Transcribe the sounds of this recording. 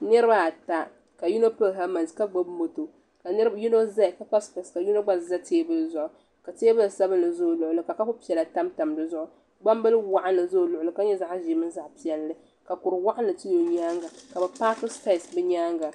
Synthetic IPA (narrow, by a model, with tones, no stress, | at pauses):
nɨ˦ɾɨ˦ba˦a˨ta˦ | ka˨ju˦no˦pɨ˦˨ɦa˦ma˨nska˦ɡ͡bo˦bmo˨to˨ | ka˨nɨ˦ɾju˦no˦za˦˨ka˦ka˦ska˨ska˨ju˦no˦ɡ͡ba˦˨za˦teː˦bɨ˦lzʊ˨ʔʊ˨ | ka˨teː˦bɨ˦lsa˦bɨ˦nː˨ɨ˨zo˦˨lʊ˨ʔʊ˨lɨ˨ka˨ka˦fʊ˦pi˦ɛ˨la˨ta˦mta˨mdɨ˦zʊ˦ʔʊ˦ | ɡ͡ba˦mbɨ˦lwa˨ʔa˦n˦lɨ˨zo˦˨lʊ˨ʔʊ˨lɨ˨˦ka˦ɲɛ˦za˦ʔʒi˨˦mɨ˦n˦za˨ʔpi˨˦˨ɛ˨lːɨ˦ | ka˨kʊ˨ɾɨ˨wa˦ʔa˦nlɨ˨tɨ˦jo˨ɲaː˦ŋɡa˨ka˨bɛ˨pa˦kɨ˦sta˦˨ɪ˨sbɨ˦ɲaː˦ŋɡa˨